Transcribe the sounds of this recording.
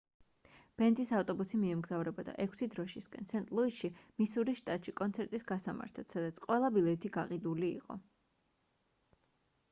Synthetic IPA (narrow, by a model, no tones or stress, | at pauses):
b̥ɛnt̪ʼisaft̪ʼɔbusimiɛmɡzavɾɛbad̪a̰ʔɛkʷʰsid̪ɾɔʃiskʼɛ̰nsɛnt̪ʼlˠuiʃimisuɾiʃt̪ʼat̪ʼʃikʼɔnt̪sʰɛɾt̪ʼisɡasama̰ɾt̪ʰat̪ʰsad̪at̪sʰqʼwɛlˠabilɛt̪ʰiɡaqʼid̪ulḭːqʼɔ̰